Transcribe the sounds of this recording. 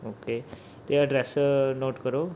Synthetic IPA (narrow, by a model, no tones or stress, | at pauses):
oːke | t̪eəɖɾɛsnoːʈkəɾo